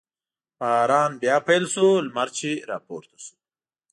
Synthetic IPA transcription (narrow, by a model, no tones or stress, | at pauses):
paːɾɑːnbjɑːpajlsulmaɾt͡ʃʰiɾɑ̰ːpoːɾt̪ʰḁsu̥